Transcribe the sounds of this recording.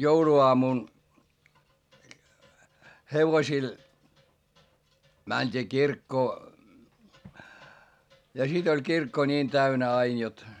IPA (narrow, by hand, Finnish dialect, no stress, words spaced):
jouluoɑmun heʋosil mænʲd̥iː kirkːoː jɑ sit olʲ kirkːo nʲiːn tæynæ ɑin jot